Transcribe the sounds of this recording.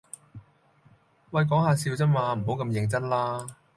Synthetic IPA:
wɐ˧jk̬ɔː˨˥ŋɦaː˧siː˧wt͡sɐ˥mwaː˧m̩˨˩ɦo˨˥wkɐ˧mjɪ˨ŋt͡sɐ˥t̚laː˥

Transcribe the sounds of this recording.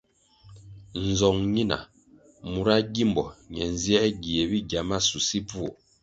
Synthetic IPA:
n̩˨zɔ˨ŋɲi˦na̰˨ | mu˨ɾa˦ɡi˦mbɔ˨ɲɛ˨n˨zjɛ˦ɡi˨e˨bi˦ɡa˨ma˦su˨si˦pu˦ɔ˨

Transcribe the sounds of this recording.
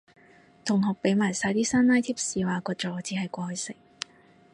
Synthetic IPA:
t̪ʰʊ˨˩ŋɦɔː˨˩k̚pe˨˥jmaː˨˩jsaː˧jt̪iː˥saː˥nːaː˥jt̪ʰiː˥p̚siː˨˧waː˨kɔː˧t͡ʃɔː˨˧t͡siː˨˥ɦɐ˨jkʷɔː˧hɵ˧ɥsɪ˨˩ŋ̚

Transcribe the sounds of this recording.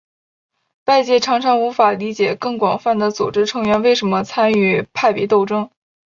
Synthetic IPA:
pa˥˧ɪt͡ɕjɛ˥˩ʈ͡ʂʰɑ˧˥ŋʈ͡ʂʰɑ˧˥ŋu˧˥fa˨˩li˧˥t͡ɕjɛ˨˩kɤ˥˩ŋkwɑ˨˩ŋfa˥˩nd̪ə˩t͡su˨˩ʈ͡ʂɻ̩˥ʈ͡ʂʰɤ˧˥ŋɥɛ˧˥nwe˥˩ɪʂə˧˥nmə˧t͡sʰa˥ny˥˩pʰa˥˧ɪpjɛ˧˥t̪o˥˩ʊʈ͡ʂɤ˥ŋ

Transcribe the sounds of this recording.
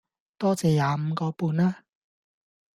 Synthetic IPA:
t̪ɔː˥t͡sɛː˨˧jaː˨˧m̩˨˧kɔː˧puː˧naː˥

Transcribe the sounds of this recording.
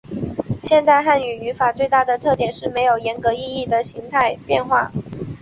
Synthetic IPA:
ɕjɛ˥˧nt̪a˥˧ɪxa˥˩ny˨˩y˧˥fa˨˩t͡swe˥˧ɪt̪a˥˩d̪ə˩t̪ʰɤ˥˩t̪jɛ˨˩nʂɻ̩˥˩me˧˥ɪjo˨˩ʊjɛ˧˥nkɤ˧˥i˥˧i˥˩d̪ə˩ɕi˧˥ŋt̪ʰa˥˧ɪpjɛ˥˧nxwa̰˥˩

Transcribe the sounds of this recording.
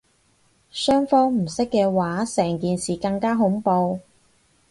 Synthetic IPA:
sœː˥ŋfɔː˥ŋm̩˨˩sɪ˥kːɛː˧waː˨˥sɛː˨˩ŋkiː˨nsiː˨˩kɐ˧ŋkaː˥ɦʊ˨˥ŋpo˧w

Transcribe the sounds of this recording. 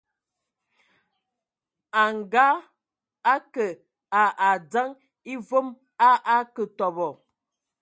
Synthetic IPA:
a˨ŋ˨ɡa˦ | a˦kə˨ | a˨ʔa˨d͡za˦ŋ | i˦vo˦m | a˦ʔa˦kə˨tɔ˨bɔ˨

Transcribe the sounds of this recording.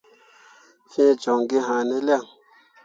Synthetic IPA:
fĩ˦˨d͡ʒɔ˨ŋɡe˦ɦã˨ne˦li˦a˦˨ŋ

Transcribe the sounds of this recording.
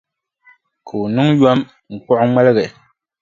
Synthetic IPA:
kʰɨ˨u˨nɨ˦ŋjɔ˦m | ŋ̩˨k͡pɔ˦ʔʊ˦ŋ͡mɛ˦lɨ˦ɣɛ˨

